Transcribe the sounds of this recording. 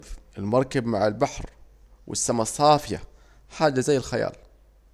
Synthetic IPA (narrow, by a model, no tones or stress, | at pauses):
fʔɪlmɑɾˤkabmaʕɪlbaħɾ | wʔɪ̰sːamasˤːɑːfɪja̰ | ħaːd͡ʒazajːɪlxaja̰ːl